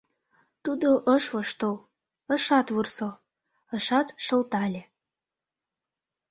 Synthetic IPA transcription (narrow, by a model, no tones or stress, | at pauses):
t̪ud̪oʔəʃβɤʃt̪ol | ə̆ʃɑt̪βurso | əʃɑt̪ʃə̆lt̪ɑlʲe